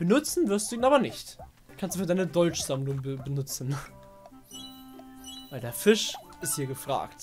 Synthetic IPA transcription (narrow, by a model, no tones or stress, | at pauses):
b̥ənʊt͡sn̩vɪɐstd̥uːiːnaːbɐnɪçt | kʰanstd̥ufːdaɪnədɔlt͡ʃz̥amlʊŋbəbənʊt͡sn̩ | vaɪldeːɐfɪʃɪsthiːɐɡəfʁ̥a̰ːkt